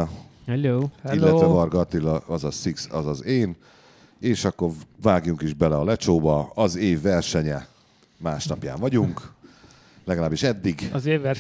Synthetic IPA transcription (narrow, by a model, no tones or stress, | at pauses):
ɛlilːɛvɛvɒrɡɒt̪ilɒɒzɒsiksɒzɒzeːn | eːʃɒkːo̞rvaːɡjuŋkiʒbɛlɛɒlɛt͡ʃoːbɒɒzeːvːɛrʃɛɲɛ | maːʃnɒpja̰ːɱvɒɟuŋk | lɛɡɒlaːbːiʃɛd̪ːiɡzeːɛ